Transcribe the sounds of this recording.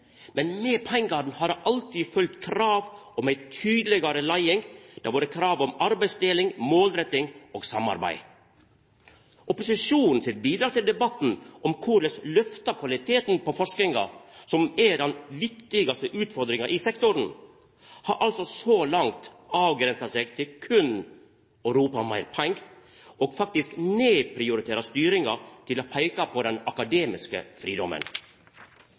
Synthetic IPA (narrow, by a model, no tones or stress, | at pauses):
mɛnmɛːpʰɛŋɡɑn̩hɑːɾʔɑlt̪ʰiːfœlt̪kʰɾɑːʋɔmæɪt̪ʰyːd̪lɛɡɑɾəlɑɪɪŋd̪̥æ̰ʋoːɾəkʰɾɑːʋɔmɑɾbæɪsd̪eːlɪŋmoːlɾɛt̪ːɪŋʔoːɡsɑmɑ̰ɾbæ̰ɪ | ʔɔpʊsɪʂuːnn̩sɪt̪biːd̪ɾɑːt̪ɪld̪ɛbɑt̪ːn̩ʔɔmkʰʊɭəslœft̪ɑkʰʋɑlɪt̪ʰeːt̪n̩pɔfɔʂknɪŋɑ̰sɔmɛdɛnʋɪkt̪ɪɡɑst̪əʔʉːt̪fɔɾd̪ɾɪŋɑʔɪsɛkt̪ʊɾn̩ | hɑːɾʔɑlsɔsolɑŋt̪ | ɑːʋɡɾɛnsɑsɛɡt̪ʰɪlkʰʉn | œʉɾuːpɑmɑɪɾpʰæŋɡ | ʔɔɡfɑk̚t̪ɪskneːpʰɾɪʊɾɪt̪ʰeːɾɑst̪yːɾɪŋɑt̪ʰɪlɔpʰæɪkɑpʰɔd̪ɛnɑkɑd̪eːmɪskə̰fɾiːd̪ɔmə̰n